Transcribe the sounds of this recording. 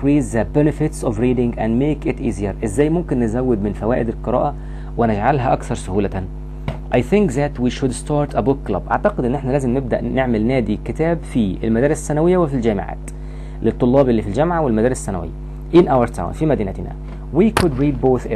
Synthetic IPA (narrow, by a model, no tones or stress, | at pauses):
ɾiːzðəbɛnɪfɪt̪sɔvɾiːd̪ɪ̃ŋɡʔæ̃nd̪meːkɪt̪ʔiːzijaɾʔɪzːæːjmʊmkɪnːɪzæwːɪd̪mɪnfæwæːʔɪd̪ɪlqɨɾˤɑ̰ːʔæ | wɪnɪd͡ʒʕalɦæʔɑkθɑɾˤsʊhuːlæt̪an | ʔajθɪŋkðæt̪wiːʃʊd̪st̪ɑːɾt̪ʰəbʊkːlɑ̰bʔa̰ʕt̪æqɪd̪ʔɪnːʔeħnælæːzɪmnɪb̚d̪æ̰ʔneʕmɪlnæːd̪ikɪt̪æːbfiɪlmæd̪æːɾɪssːænæwɪjːæwɪfild͡ʒæːmɪ̰ʕa̰ːt̪ | lɪt̪ˤːolːɑːbelːiːfild͡ʒæmʕawɪlmæd̪æːɾɪssːænæ̰wɪ̰jːæ̰ | ʔɪnʔawaɾt̪ʰa̰wnfimæd̪iːnæ̰t̪næ̰ | wikʰʊd̪ɾiːd̪̚boːθ